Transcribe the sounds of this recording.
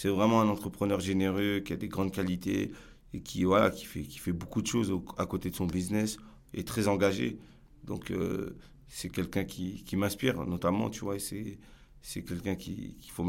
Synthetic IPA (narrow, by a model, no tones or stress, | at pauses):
sɛvʁɛmɑ̃ɛ̃nɑ̃t̪χəpχənœʁʒeneʁøkʲiad̪eɡʁɑ̃d̪kalit̪ḛ | ekʲʰivwala̰kʲi̥fɛkʲi̥fɛbokud̪əʃozakot̪ed̪əsɔ̃biznɛs | ḛt̪χɛzɑ̃ɡaʒḛ | d̪ɔ̰̃kø̰ | sɛkʲɛlkʲɛ̃kʲʰikʲimɛ̃spiʁnɔt̪amɑ̰̃t̪yvwaesɛ | sɛkʲɛlkʲɛ̃kʲḭkʲi̥fom